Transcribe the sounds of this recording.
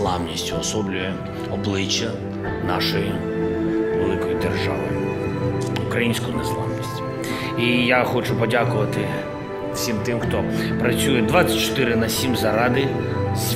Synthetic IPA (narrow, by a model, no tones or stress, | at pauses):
lˠawnʲisʲtʲʊɔsɔblʲʊjɛ | ɔblˠɪt͡ʃːɐ | nɑʃɔji | ʋelˠɪkɔjid̪erʒa̰ʋɪ̰ | ʊkɾɐjinʲsʲkʊnɛslˠɑ̰wnʲisʲtʲ | ijaxɔt͡ʃʊpɔdʲakʊʋɐt̪ɪ | wsʲimt̪ɪmxt̪ɔpɾɐt͡sʲujɛd̪ʋat͡sʲɐ̥t͡ʃɔ̥t̪ɪɾɪnɐsʲimzɐɾɑd̪ɪzʲ